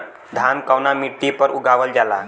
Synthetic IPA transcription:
d̪ʱankəwnamiʈːipəɾuɡʱaʋəld͡ʒala

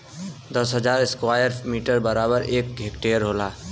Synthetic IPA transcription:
d̪ʌsɦəd͡ʒaɾeskwajəɾmiʈəɾbəɾabəɾek̚ɡʱekʈeəɾɦola

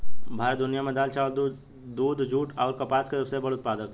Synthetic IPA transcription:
bʱaːɾət̪̚d̪ʊnijamẽd̪aːlt͡ʃaːld̪ | d̪uːd̪d͡ʒʱuːʈɔːɾkɐpaːsked̪əbsebɐɽʊt̪̚paːd̪ək

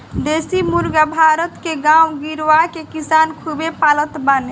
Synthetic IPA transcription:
d̪esimuɾɡabʱaɾət̪keɡawɡiɾʋakekisankʰubepalət̪bane

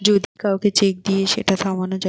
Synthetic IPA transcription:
d͡ʑod̪ʱikaoket͡ɕek̚d̪ieʃḛʈat̪ʰamanod͡ʑa

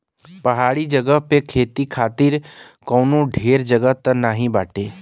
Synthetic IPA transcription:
pɐɦaːɽid͡ʒəɡəɦpekʰeːt̪ikʰaːt̪ɪɾ | kɔ̃ːnõɖʱeːɾd͡ʒəɡəɦt̪ənaːɦĩbaːʈeː

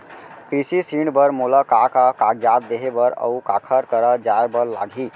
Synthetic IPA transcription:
kɾisisiɳɖbəɾmolakakakaɡd͡ʒat̪̚d̪eɦebəɾə̰ukakʰəɾkəɾəd͡ʒaebəɾla̰ɡʱi

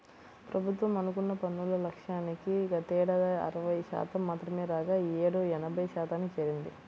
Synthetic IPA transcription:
pɾɐbʱut̪ʋɐmɐnuk̬unːɐpɐnːulɐlɐkʂaːnikiɡɐt̪ɛːɽɐɐ̰ɾɐʋɐjʃa̰ːt̪ɐmːaːt̪ɾɐmeːɾaːɡaːeːɽuɛnɐbʱɐjɐʃaːt̪aːnːit͡ʃeːɾind̪i

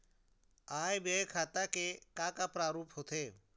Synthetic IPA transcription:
aːebeːkʰaːt̪akekaːkaːpɾaːɾuːpɦoːt̪ʰeː

